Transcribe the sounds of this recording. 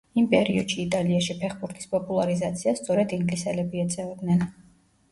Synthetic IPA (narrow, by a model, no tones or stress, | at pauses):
impʼɛɾiɔ̰d̪̥ʃiːt̪ʼaliaʃipʰɛχbuɾt̪ʰi̥spʼɔpʼulˠaɾizat̪sʰiast̪sʼɔɾɛd̪iŋɡlisɛlɛbiɛt̪sʼɛvɛd̪nɛn